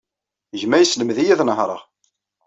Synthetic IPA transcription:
ʝmæjəsləmðijæðnəɦɾˤɑ̰

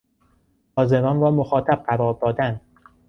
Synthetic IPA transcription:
ɒːzemɒːnɾɒːmoxɒːt̪ʰæb̚ɢæbɒːb̚d̪ɒːd̪æn

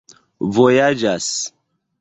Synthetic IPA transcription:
vojad͡ʒas

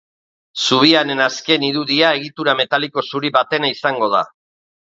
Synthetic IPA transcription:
suβ̞iane̞naske̞niɾuðiae̞ɣ̞it̪uɾame̞t̪aliko̞suɾiβat̪e̞naisaŋɡo̞ð̞a̰

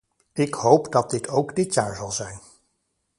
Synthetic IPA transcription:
ɪkhowpdɑt̚dɪtʰowɡdɪtjaːɹzɑlˠzɛjn

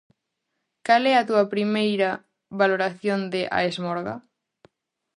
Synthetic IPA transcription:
kalɛɐt̪uɐpɾimejɾɐ | βaloɾaθjond̪ɪʔa̰ezmɔɾɣɐ̰

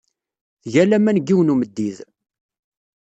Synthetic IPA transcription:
ʝælæmænɡːiwnuməd̪ːið

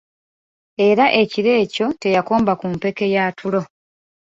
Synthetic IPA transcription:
e̞ɾaʔe̞ciɾe̞ːco̞te̞jako̞ːmbakumpe̞ke̞jaːtʰulo̞

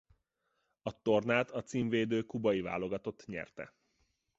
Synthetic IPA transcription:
ɒt̪o̞rnaːt̪ʰɒt̪siːɱveːd̪øːkubɒjiva̰ːlo̞ɡɒt̪o̞t̪ːɲɛ̰rt̪ɛ̰

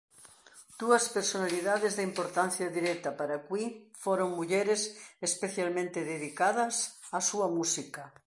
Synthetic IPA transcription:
d̪̥uɐspeɾsonaliðaðezðeimpoɾt̪anθjaðiɾɛt̪ɐpaɾakwifoɾoŋmuʎɛɾesespeθjalmẽnt̪eðeðikaðɐsasuɐmusikɐ

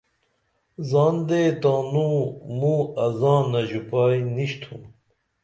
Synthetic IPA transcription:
zɑːnd̪ed̪aːnumuːɐzɑ̃ːnɐʑupaːjniɕt̪ʰum

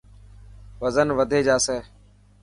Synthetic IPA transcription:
ʋəzənʋəd̪ʱeːd͡ʒaːseː

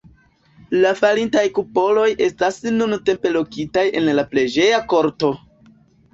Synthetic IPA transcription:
lafaɾintajkupo̞lo̞jʔe̞stasnunte̞mpe̞lo̞kitaje̞̰nlapled͡ʒe̞jako̞ɾto̞

